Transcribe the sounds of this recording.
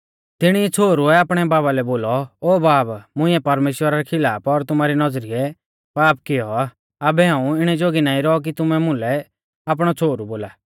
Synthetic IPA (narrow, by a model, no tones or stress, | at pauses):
t̪ɪɽ̃iɛt͡sʰoːɾuɛaːpɽ̃ɛbaːbalɛboːlɔoːbaːbmʊ̃ɪ̃ɛpɐɾmeːʃwəɾaɾɛkʰɪlaːpɔɾt̪ʊmaːɾinɐd͡zɾiɛ | paːpkɪjɔa | abɛɦãːũɪɽ̃ɛd͡ʒoːɡinaːĩɾɔɔk̬it̪ʊmɛmʊ̃lɛ | ap̬ɽ̃ɔt͡sʰoːɾuboːlaː